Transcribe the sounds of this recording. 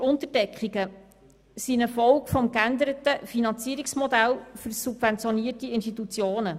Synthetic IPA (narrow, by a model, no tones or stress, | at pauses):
ʊnt̪əɾdɛkχiɡə | sinəfɔlkfɔmkænd̪əɾət̪əfinɑnt͡siəɾiksmɔd̪ælfɵɾsub̥vɛnt͡sjɔniətiɪnʃtit̪ut͡sjoːnə